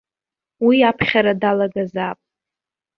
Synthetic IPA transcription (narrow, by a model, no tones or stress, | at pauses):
wiapʰχʲaɾadalaɡazapʼ